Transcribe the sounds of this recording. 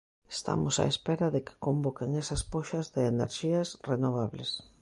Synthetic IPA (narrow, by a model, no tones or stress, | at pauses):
est̪a̰mosa̰espeɾaðɪke̥kombokeŋesɐspoʃɐzðɪːnḛɾʃiasrenoβ̞aβlḛs